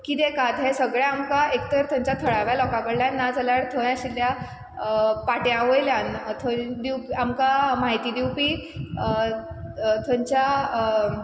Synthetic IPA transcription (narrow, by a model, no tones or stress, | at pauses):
kiːd̪ẽkad̪ʱẽsəɡɭjaamkaekt̪əɾt̪ʰə̃ɲt͡ɕat̪ʰəɭaʋjalɔkãkəɽljãnnːad͡zəlaɽt̪ʰoɭjãɕilja | paʈjãʋojljãnt̪ʰod̪iwpiamkamaɦit̪iːd̪iwpiː | t̪ʰə̃ɲt͡ɕa